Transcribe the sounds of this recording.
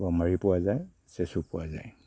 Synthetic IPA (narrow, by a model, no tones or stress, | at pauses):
bɔmaɹipʊwazaj | sesupʊwaza̰j